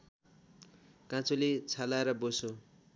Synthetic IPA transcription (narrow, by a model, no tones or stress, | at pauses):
kãt͡sʰulet͡sʰalaeɾʌboso